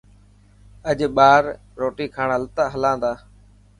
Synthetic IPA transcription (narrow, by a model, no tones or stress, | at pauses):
əʄɓaːɾ | ɾoːʈiːkʰaːɳəlt̪aːɦəlãːnd̪aː